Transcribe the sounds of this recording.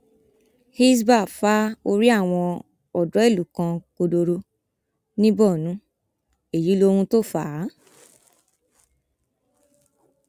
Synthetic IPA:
hi˦s̬ba˦˨fa˦o˧ɾi˦a˦˨w̃ɔ̃˧ | ɔ˨dɔ˨˦e˦˨lu˨kã˧ko˧do˧ɾo˧ | nĩ˦bɔ˦˨nũ˨˦ | e˨ji˨˦lo˧ɾũ˧to˦˨fa˨˦

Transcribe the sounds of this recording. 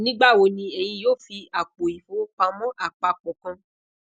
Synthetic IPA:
nĩ˦ɡ͡ba˦˨wo˧nĩ˧e˨jĩ˧joː˦˨fi˧a˨k͡po˨i˨fo˨˦k͡pa˧mɔ̃˦ʔa˦˨k͡pa˧k͡pɔ˨kã˧

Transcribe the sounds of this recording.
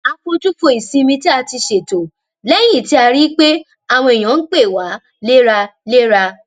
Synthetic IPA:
a˧kõ˧d͡ʒu˦fo˧i˨sĩ˧mĩ˧ti˦a˧ti˧ʃe˨to˨ | lɛ˦j̃ĩ˦˨ti˧˦a˧ɾi˦k͡pe˦ | a˨w̃ɔ̃˧i˨j̃ã˨˦n̩˦k͡pe˦˨wa˨˦ | le˦ɾa˧le˦ɾa˧

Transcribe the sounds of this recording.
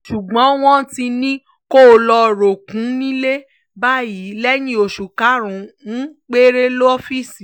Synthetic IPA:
ʃu˨ɡ͡bɔ̃˨˦w̃ɔ̃˦ti˧nĩ˦ | ko˦o˧lɔ˧˨ɾo˨kũ˨˦nĩ˦le˦ | ba˦ji˨˦lɛ˦nĩ˦o˨ʃu˨ka˨˦ɾ̃ũ˨ũ˦k͡pe˦ɾe˦lo˦ɔ˦fi˦˨si˨

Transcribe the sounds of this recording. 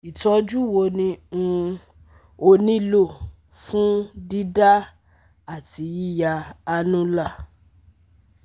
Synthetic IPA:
i˨tɔ˨˦d͡ʒu˦wo˧nĩ˧ũ˧ | o˧nĩ˦lo˦˨ | fũ˦di˦da˦ | a˦˨ti˨˦ji˦ja˧a˧nũ˦la˦˨

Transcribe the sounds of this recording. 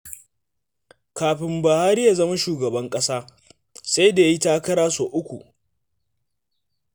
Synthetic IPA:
kaː˨ɸɪ˨mbɐ˨haː˦ɾi˦jaː˨zɐ˦ma˦ʃuː˨ɡɐ˨bɐ˦ŋkʼɐ˦saː˦ | sa˦jda˨ja˨˦i˦taː˦kɐ˦ɽaː˦soː˨ʔʊ˦kʷu˨ʔ

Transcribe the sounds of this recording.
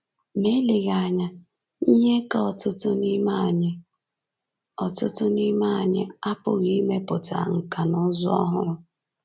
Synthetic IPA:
me˦le˨ɣa˨ɲa˦ | i˦ɲe˦ka˦ɔ˨tʊ˦tʊ˦ni˦ma˦˨ɲɪ˦ | ɔ˨tʊ˦tʊ˦ni˦ma˦˨ɲɪ˦a˦pʊ˨ɣi˦me˦pʊ˨ta̰˨ŋ̩˨ka˨nʊ˦zʊ˦ɔ̰˦ɦʊ˦

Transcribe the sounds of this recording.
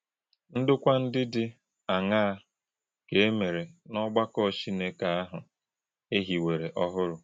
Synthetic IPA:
n̩˦dʊ˦kʷa˦n̩˦dɪ˦dɪ˦ | a˨ŋa˦a˦ | ke˨e˦me˨ɾe˨nɔ˦ɡ͡ba˦kɔ˦˨t͡ʃi˦ne˦ka˨a˦ɦʊ˨ | e˦ɦi˨we˨ɾe˨ʔɔ˦ɦʊ˦ɾʊ˨

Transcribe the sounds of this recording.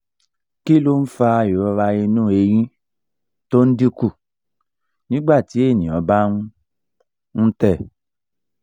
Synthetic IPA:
ki˦lo˦n̩˦fa˧a˧jo˨ɔ˧ɾa˧i˧nũ˦e˧j̃ĩ˦ | to˦n̩˦di˦ku˦˨ | nĩ˦ɡ͡ba˦˨ti˨˦e˦˨nĩ˨ɔ˨˦ba˦nũ˦ | n̩˦tɛ˦˨

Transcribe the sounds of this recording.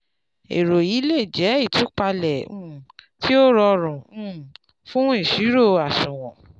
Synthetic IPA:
ḛ˨ɾo˨i˨˦le˦˨d͡ʒɛ˨˦i˦˨tũ˨˦k͡pa˧lɛ˨ũ˦˨tʰi˦o˦ɾɔ˧ɾũ˨ũ˦˨ | fũ˦e˦˨ʃi˨˦ɾo˦˨a˨ʃũ˨w̃ɔ̃˨

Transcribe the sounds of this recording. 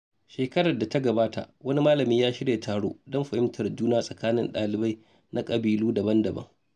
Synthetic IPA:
ʃeː˨kɐ˦ɽɐ˨da˨ta˦ɡɐ˨baː˦tʰa̰˨ʔwɐ˦ni˦maː˦lɐ˨miː˦jaː˦ʃɪ˦ɽjeː˨tʰaː˨ɽo̰ː˦dɔ˦mɸɐ˨hɪ˦mtʰɐ˨rd͡ʒuː˦naː˦sʼɐ˨kaː˦nɪ̰˨nɗaː˨lɪ˨ba˦j | nʔa˦kʼɐ˨biː˨luː˦dɐ˨bɐ˦ndɐ˨bɐ̰˦ŋ

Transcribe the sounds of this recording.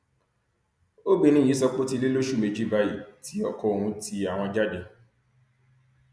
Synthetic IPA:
o˦bi˧nĩ˦˨i˨˦sɔ˧k͡po˦ti˧li˦lo˦ʃu˦˨me˧d͡ʒi˦ba˦ji˨ti˦ɔ˦˨kɔ˧o˨ɾũ˧ti˧a˨w̃ɔ̃˧d͡ʒa˦dẽ˧

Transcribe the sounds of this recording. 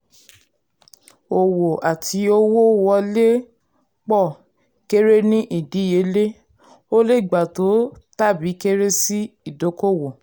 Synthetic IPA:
o˨wo˨ʔa˨tʰi˧o˦wo˦wɔ˧le˦ | k͡pɔ˦˨ | ke˦ɾe˦nĩ˦ʔi˦˨di˨˦je˨˦le˦ | o˦le˦˨ɡ͡ba˨to˨˦ta˦˨bi˨˦ke˦ɾe˦si˦i˦˨do˨˦ko˦˨wo˨

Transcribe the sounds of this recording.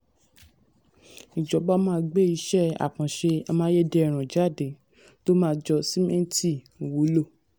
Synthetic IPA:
i˨d͡ʒɔ˨˦bɔ˦mãː˦˧˦ɡ͡be˦˨i˨˦ʃɛ˦˨a̰˨kã˨ʃe˧a˧mãː˦je˦de˧˨ɾ̃ã˨d͡ʒa˦˨de˨˦ | to˦mãː˦˧˦d͡ʒɔ˧si˦mɛ̃˦n˦ti˦˨ | wo˨˦lo˦˨

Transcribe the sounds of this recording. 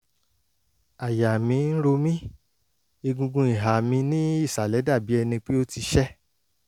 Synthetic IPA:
a˨ja˨mĩ˨˧˦n̩˦ɾo˧mĩ˦ | i˧ɡũ˧ɡũ˧i˨ɦa˨mĩ˧nĩ˦i˦˨sa˨lɛ˨˦da˦˨bi˨˦ɛ˧nĩ˧k͡pi˦o˦ti˧ʃɛ˦

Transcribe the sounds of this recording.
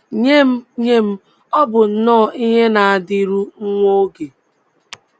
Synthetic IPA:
ɲe˦m̩˦ɲe˦m̩˦ | ɔ˦bʊ˨n̩˨nɔː˦˨ʔi˦ɦe˦na˨a˨dɪ˦ɾu˦ŋ̩˦ŋʷo˦ɡe˨

